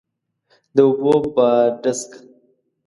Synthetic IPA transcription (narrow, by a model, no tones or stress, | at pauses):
d̪əubobaɖəsk